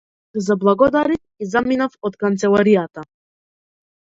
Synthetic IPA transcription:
zablˠaɡɔd̪aɾif | izaminafɔt̪kant̪sɛlˠaɾijat̪a

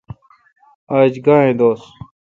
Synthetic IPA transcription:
aːd͡ʑɡãːẽːd̪oːs

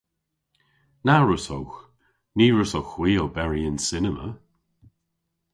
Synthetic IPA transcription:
naɹəsowx | niːɹəsowxwiːobɛɹiənsɪnəmə̰

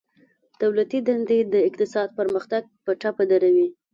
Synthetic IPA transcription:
d̪̥awlat̪id̪and̪ed̪əɪqt̪ɪsɑd̪̚pəɾməxt̪aɡ̚pəʈapad̪aɾawi

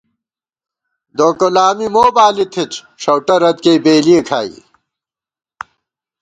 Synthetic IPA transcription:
d̪oːkolaːmimoːbaːlit̪ʰit͡ɕ | ʂɐwʈɐɾɐt̪keːbeːlijekʰaːḭ

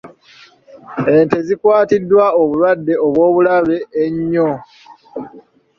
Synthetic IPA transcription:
e̞ːnte̞zikwaːtidːwaoβulwadːe̞oβwo̞ːβulaβe̞ːɲːo

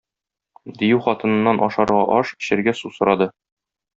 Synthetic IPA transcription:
d̪ijʉwχɒt̪ɤ̆nɤ̆nːɑnʔɒʃɑɾʁɑʔɒʃkɘ̥̆ɕɘ̆ɾɡæsusŏɾɑd̪ɤ

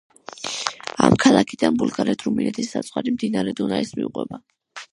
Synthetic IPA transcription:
a̰mkʰalˠakʰid̪̥anbulˠɡaɾɛd̪ʰɾuminɛt̪ʰisːat̪sʼwaɾimd̪inaɾɛd̪unaismiuqʼwɛ̰ba

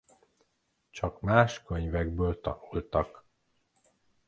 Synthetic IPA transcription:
t͡ʃɒkmaːʃkøɲvɛɡbøːlt̪ɒ̰nult̪ɒk

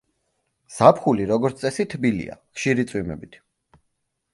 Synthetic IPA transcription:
z̥apʰχuliɾɔɡɔɾt̪sʼɛsit̪ʰbilḭa̰χʃiɾit̪sʼwimɛ̰bit̪ʰ

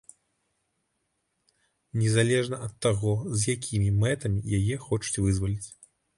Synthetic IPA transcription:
nʲɛzalʲɛʐnɐʔɐt̪ːaɣɔzjakʲʰimʲimɛt̪ɐmʲijajɛxɔt͡ʂu̥t͡sʲvɨzvɐlʲit͡sʲ

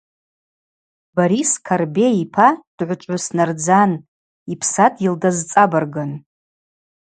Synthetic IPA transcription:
baɾiskʰarbeipʰad̥ʕʷʊt͡ʃʷʼʕʊsnard͡zan | ipʰsatʼildazt͡sʼabarɡan

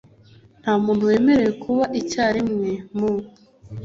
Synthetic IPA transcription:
n̥hamuːnthuwe̞ːme̞ɾe̞jekʰuβaʔicaːɾimŋe̞mu

